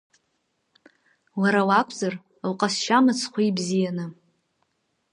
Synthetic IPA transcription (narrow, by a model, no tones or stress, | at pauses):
laɾawakʷʰzar | wqʼasʃamɨt͡sʰχʷibzijanɨ